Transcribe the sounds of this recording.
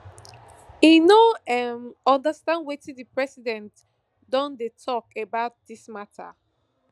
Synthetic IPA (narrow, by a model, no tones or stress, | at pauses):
inoɛmɔ̃ndəstãndwetidipɹɛsidɛ̃nt | dɔ̃ndetʰɔkebaʊt̚dismatʰə̰